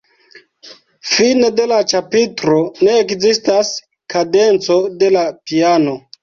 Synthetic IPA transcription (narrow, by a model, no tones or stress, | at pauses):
fine̞de̞lat͡ʃapitɾo̞ne̞ːkzistas | kade̞nt͡so̞de̞lapiano̞